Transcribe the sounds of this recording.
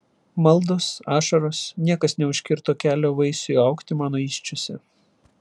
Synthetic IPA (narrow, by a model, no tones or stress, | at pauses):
mɐlˠˑd̪oːsɑːʃɐɾoːsnʲiɛkɐsnʲɛʊʃʲkʲɪɾt̪oːkʲæːlʲoːʋɐɪsʊɐʊkt̪ʲɪmɑːnoːiːʃʲt͡ʃʲʊsʲɛ